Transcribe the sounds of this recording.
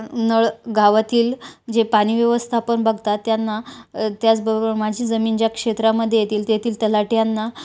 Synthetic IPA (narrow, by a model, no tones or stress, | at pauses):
nəɭɡaʋat̪iːld͡ʑepaɽ̃iːʋjəʋəst̪ʰapənbəɡʱt̪at̪ːjanːat̪jat͡sbəɾobəɾmad͡ʑʱiːd͡zəmiːnd͡ʑjakʂet̪ɾaməd̪ʱːjejet̪iːlt̪jat̪iːlt̪əlaʈjanːa